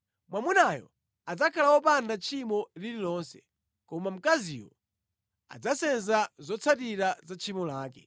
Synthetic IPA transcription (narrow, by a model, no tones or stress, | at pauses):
mwamunajɔ̰ | ad͡zakʰalawɔpandat͡ʃʰimɔlililɔnsɛ | kɔmam̩kaziwɔ | a̰d͡zasɛnzazɔt͡sʰatiɾazat͡ʃʰimɔlaːkɛ